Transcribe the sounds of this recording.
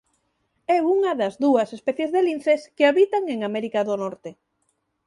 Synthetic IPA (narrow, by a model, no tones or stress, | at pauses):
ɛuŋɐðɐzðuɐsespɛθjezðelinθeskeaβit̪aŋeŋamɛɾikaðonɔɾt̪e